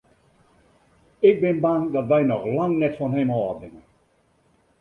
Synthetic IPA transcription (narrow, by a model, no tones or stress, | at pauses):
ɪk̚bɪnbandɑtʋɛjnɔxlaŋnɛtfɔnɦɛmɦɔːdɪŋən